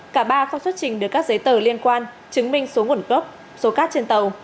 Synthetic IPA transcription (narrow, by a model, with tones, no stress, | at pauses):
kaː˧˩ɓaː˧xɔ˧swə˦˥t̚t͡ɕï˨˩ŋ̟ɗɨ˨˩əkːk̚zə˨˦jt̪əː˧˩li˧ənkwaː˧n | t͡ɕɨ˨˦ŋmï˧ŋ̟so˨˦ŋu˧˩ənkə˦˥p̚ | so˨˦kaː˦˥t̚t͡ɕe˧nt̪ə˨˩w